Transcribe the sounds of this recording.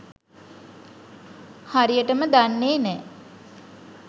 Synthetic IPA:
haɾijəʈəməd̪anːeːnɛː

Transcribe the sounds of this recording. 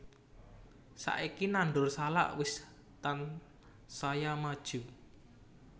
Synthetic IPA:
sa̰ʔikinanɖʊrsala̰ʔwɪs | t̪an | sajamad̥ʒ̥u

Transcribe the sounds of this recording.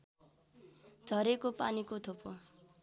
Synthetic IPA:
d͡zʱʌɾekopanikot̪ʰopo

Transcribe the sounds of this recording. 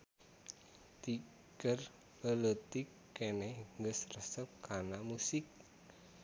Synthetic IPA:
t̪i | kər | lələt̪ikː | enɛhŋɡəsrəsəp̚karnamusɪk̚

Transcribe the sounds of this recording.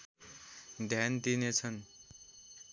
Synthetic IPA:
d̪ʱjand̪inet͡sʰʌn

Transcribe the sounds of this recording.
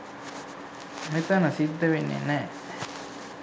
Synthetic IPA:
met̪ɐnɐsid̪ːɐʋenːḛnɛː

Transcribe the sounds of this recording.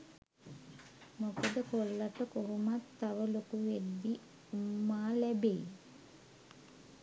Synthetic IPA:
mokəd̪əkolːaʈəkoɦumat̪ːaʋəlokuʋed̪ːi | umːaːlæbeː

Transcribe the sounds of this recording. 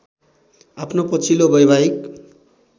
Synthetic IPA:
apʰnopʌt͡sʰilobʌjbaik̚

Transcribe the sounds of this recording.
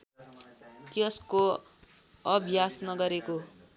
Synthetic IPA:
t̪jʌsko | ʌbʱjasnʌɡʌɾeko

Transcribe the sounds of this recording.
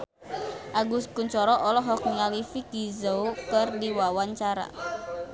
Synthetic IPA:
ʔaɡuskuɲt͡ʃɔɾɔʔɔlɔɦɔk̚nialifikizoukərdiwawaɲt͡ʃaɾa̰

